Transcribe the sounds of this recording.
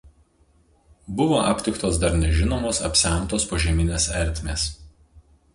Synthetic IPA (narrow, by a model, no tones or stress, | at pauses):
bʊʋoʔɐpʲt̪ʲɪkt̪oːsd̪ɐɾnʲɛʒʲɪnoːmoːsɐ̰pʲsʲæˑnˑt̪oːspoʒʲɛmʲɪnʲeːsɛɾʲt̪ʲmʲeːs